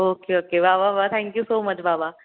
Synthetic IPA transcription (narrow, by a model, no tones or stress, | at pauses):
oːkeoːkeʋaːbaːʋaːt̪ʰɛ̃ŋkjusoːmɐt͡ʃbabaː